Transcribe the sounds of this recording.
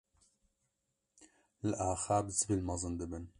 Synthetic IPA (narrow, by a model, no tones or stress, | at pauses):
lɨʔaːxaːbzɨbilmɑzɨnd̪ɨbɨn